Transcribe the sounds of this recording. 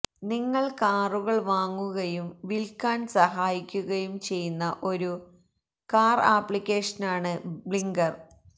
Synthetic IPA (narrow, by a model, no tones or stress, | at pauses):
niŋːɐɭkaːruɣɐɭʋaːŋːuɣɐjumʋilkaːnsɐɦaːjikʲːuɣɐjumt͡ɕe̞jːunːɐʔo̞ɾu | kaːraːpːɭikʲːeːʂɐnaːɳɨbɭiŋɡɐr